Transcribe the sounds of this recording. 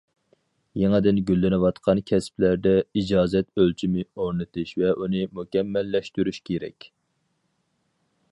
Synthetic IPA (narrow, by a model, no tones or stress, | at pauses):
jeŋɨd̪ɪnɡʲylːɪnɨwɑt̪qʰɑnkʲʰɛsplæɾd̪ɛid͡ʒɑːzɛt̪ølt͡ʃʰimɪoɾnɨt̪ʰɨʃvɛʔunɨmukʲɛmːɛlːɛʃt̪yɾyʃkʲʰeɾɛ̰kʲ